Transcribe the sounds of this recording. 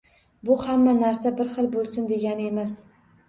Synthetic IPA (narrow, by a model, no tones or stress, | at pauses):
bʊhamːanaɾsabɪɾχɨlˠbolˠsɪnd̪e̞ɡʲanɪe̞mas